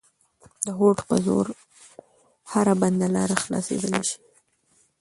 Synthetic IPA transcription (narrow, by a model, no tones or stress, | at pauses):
d̪əɦoʈpə̰zo̰ɾ | haɾaband̪alɑɾaxlɑ̰sḛd̪əleʃi̥